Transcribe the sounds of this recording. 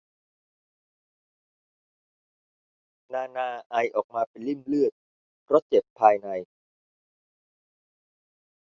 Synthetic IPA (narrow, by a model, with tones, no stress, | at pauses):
naː˧naː˧ʔa˧jʔɔː˨˩k̚maː˧pe˧nli˦˥˩mlɯ˥˩ət̪̚ | ɾo˦˥t̪̚t͡ɕe˨˩pʰːaː˧jna˧j